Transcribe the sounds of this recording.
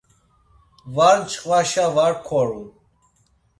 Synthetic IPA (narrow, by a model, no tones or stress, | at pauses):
vaɾt͡ʃʼqʼvaʃavaɾkʰɔɾu